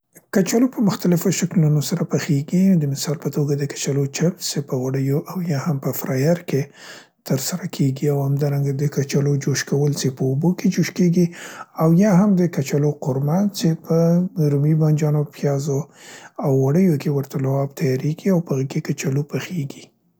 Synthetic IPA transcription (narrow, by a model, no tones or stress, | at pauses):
kat͡ʃalopəmʊxt̪alɪfoʃaklunosaɾapəxeɡid̪əmɪsɑlpət̪oɡad̪əkḁt͡ʃalot͡ʃamsepəwaɽəjoʔawjɑhampəfɾɑjaɾke | t̪əɾsaɾakʰeɡiawhamd̪ɑɾaŋɡad̪əkat͡ʃalod͡ʒoʃkawəlt͡ʃepəːboked͡ʒoʃkeɡiawjɑɦamd̪əkat͡ʃaloqʊɾmant͡ʃepəɾumiband͡ʒɑnopʰjɑzoawːaɽəjokewəɾt̪alawɑb̚t̪ʰajɑɾeɡiawpəɣəkekat͡ʃalopəxeɡi